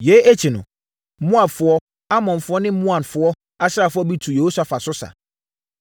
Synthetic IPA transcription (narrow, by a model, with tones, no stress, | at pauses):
je˨˦e˦t͡ɕʰi˨nʊ̰̃˨ | mũ˦a˨bfʊ˨˦ɔ˦ | a˦mɔ̃˨nfʊ˦ɔ˦nɪ̃˦mũ˦ã˨nfʊ˨˦ɔ˦ | a˦sa˨fʊ˦ɔ˦bi˦tʰu˨je˨ho˦sa˨fa˨sʊ˦sa̰˨